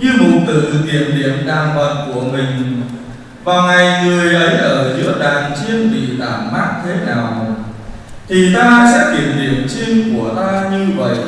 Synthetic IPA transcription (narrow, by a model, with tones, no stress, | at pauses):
ɲɨ˧mṵ˧˨t̪ɨ̰˧˨k̪ḭ˧˩ənɗḭ˧˨əmɗaː˨˩ŋvə˨˩t̚ku˧˩əmï˨˩ŋ̟ | vaː˨˩wŋa˨˩jŋɨ˨˩əjʔə˨˦jʔəː˧˩zɨ̰˧˥əɗaː˨˩ŋt͡ɕi˧ənɓḭ˧˨t̪aː˧˩mma˦˥k̚t̪ʰe˨˦naː˨˩w | t̪ʰi˨˩t̪aː˧sɛ̰˧˥kḭ˧˩əmɗḭ˧˩əmt͡ɕi˧ŋku˧˩ət̪aː˧ɲɨ˧və̰˧˨jʔ